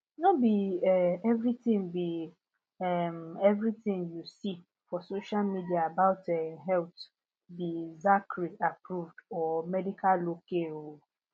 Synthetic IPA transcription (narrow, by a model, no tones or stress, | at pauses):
nobiɛɛvɾitĩŋbi | ɛmɛvɹitĩŋjusi | fɔsoʃalmidiaabaʊtɛɦɛlt | bizakʰɹiapʰɾuvdɔmɛdikʰallokeo